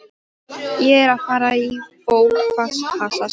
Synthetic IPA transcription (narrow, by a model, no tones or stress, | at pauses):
jɛɛɾaðfaːɾaifoːwlfasfasa